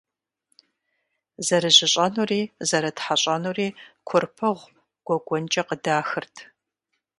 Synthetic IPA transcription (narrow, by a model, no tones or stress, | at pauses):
zɐɾɨʑɪɕʼɐnuːriːzɐɾɐtħaɕʼɐnuːriːkʷʰʊrpʰɐʁʷ | ɡ̥ʷɔɡʷɔnt͡ʃʼɐqədaːxɨrtʰ